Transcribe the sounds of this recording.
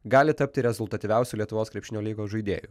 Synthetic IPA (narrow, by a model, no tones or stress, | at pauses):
ɡɑːlʲɪt̪ɐp̚ʲt̪ʲɪɾʲɛzʊlˠt̪ɐt̪ʲiʋʲɛʊsʲuːlʲiɛt̪ʊʋoːskɾʲɛpʲʃʲɪnʲoːlʲiːɡoːʒɐɪd̪ʲḛːjṵ